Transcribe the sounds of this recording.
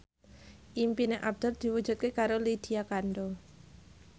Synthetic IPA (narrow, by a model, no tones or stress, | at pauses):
ʔimpineʔab̚d̪̥ər̚d̪̥i̤wu̥d͡ʒ̥ṳt̪̚kekaɾolid̪̥iakanɖo